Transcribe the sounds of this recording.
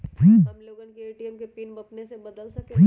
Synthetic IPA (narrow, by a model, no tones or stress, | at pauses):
piɐmloːɡənkeeːʈiɛmkepiːnbɐpnesebɐd̪əlsɐki